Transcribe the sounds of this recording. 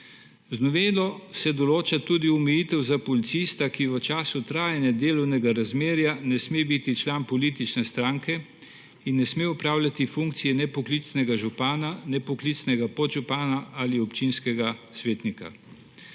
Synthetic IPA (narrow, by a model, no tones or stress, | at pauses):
znɔʋeːlɔsɛd̪ɔloːt͡ʃat̪ud̪iɔmɛjiːt̪ɛwzapɔlit̪sist̪akiʋət͡ʃaːsut̪ɾaːjanjɛd̪eːlɔwnɛɡaɾazmeːɾjanɛsmebit̪it͡ʃlanpɔliːt̪it͡ʃnɛst̪ɾaːŋkɛ | inːɛsmeɔpɾaːwlʲjat̪ifuŋkt̪sijɛnɛpɔklit͡s̪nɛɡaʒupaːnanɛpɔklit̪snɛɡapɔʒupaːnaaliɔpt͡ʃinskɛɡasʋeːt̪nika̰